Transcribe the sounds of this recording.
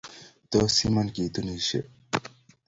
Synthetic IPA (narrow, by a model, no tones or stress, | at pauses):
t̪osimɐnkid̪uniɕḛ